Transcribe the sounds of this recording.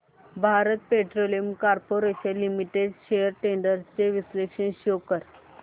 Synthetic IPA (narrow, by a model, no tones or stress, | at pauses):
bʱaɾət̪̚peʈɾoliəmkaɾpoɾeɕə̃nlːimiʈeɖɕejəɾʈeɳɖəɾt͡seʋislekɕənɕokəɾ